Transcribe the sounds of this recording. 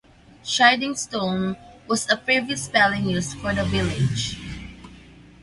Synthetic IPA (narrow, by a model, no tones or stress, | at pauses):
ʃaɪdɪ̃ŋstõʊnwʌzəpɹiviɨspɛlˠɪ̃ŋnʉsfɔ˞ðəvɪlɪ̥d͡ʒ